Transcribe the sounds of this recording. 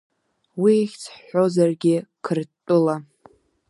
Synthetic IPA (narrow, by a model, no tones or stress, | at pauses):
wiχʲt͡sʰħo̞zarɡʲɪkʰɨrtʼʊla